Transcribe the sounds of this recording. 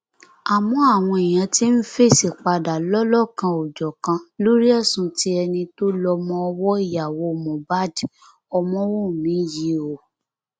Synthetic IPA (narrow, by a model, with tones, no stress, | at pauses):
a˨mɔ̃˨˦a˦˨w̃ɔ̃˧i˨j̃ã˨˧ti˦n̩˦fe˦˨si˨k͡pa˧da˨lɔ˦lɔ˦˨kã˧o˨d͡ʒɔ˨kã˧lo˦ɾi˦ɛ˦˨sũ˧ti˦ɛ˧nĩ˧to˦lɔ˧mɔ̃˦ɔ˧wɔ˦i˦˨ja˨wo˧˨mɔ̃˨ba˦˨d | ɔ˧mɔ̃˦wũ˦˨mĩ˨˦ji˧˦o˨